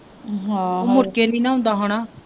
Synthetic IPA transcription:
ɦãoːmʊɾkeːnĩːnãːʊ̃nd̪aːɦoːɽ̃aː

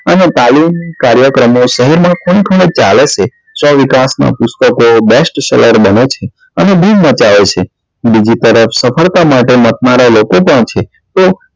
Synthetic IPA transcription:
ənet̪alimkaɾjəkɾəmõʃəɦɛɾmãkʰoɽ̃ikʰəɽ̃et͡ʃalet͡ʃʰe | sɔʋikasnã̰pʊst̪əkobesʈsɛləɾbənet͡ʃʰe | əneb̪ʱumət͡ʃaʋet͡ʃʰe | bid͡ʒit̪əɾəpʰsəpʰəɭt̪amaʈemət̪̚naɾalokopəɳt͡ʃʰe | t̪o

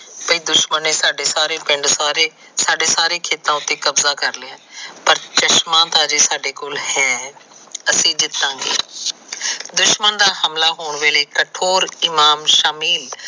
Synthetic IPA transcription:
pəiːd̪ʊʃməneːsaːɖeːsaːɾeːpɪ̃ɳɖsaːɾeː | saːɖeːsaːɾeːkʰeːt̪ãːʊt̪ːeːkəbzãːkəɾlɪãːpəɾt͡ʃəʃmãːt̪ãːd͡ʒeːsaːɖeːkoːlhɛː | əsĩːd͡ʒ̪ɪt̪ːãːɡḛː | d̪ʊʃmənd̪aːhəmlaːɦoːɳʋeːleːkəʈʰoːɾɪmaːmʃaːmiːl

